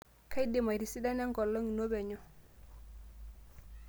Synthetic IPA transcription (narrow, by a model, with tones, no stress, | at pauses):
kʰa˦jde˨ma˨ɾi˨si˦da˦nɛ˦ŋɡɔ˨lːɔ˦ŋi˨no˦bɛ˨ɲɔ˦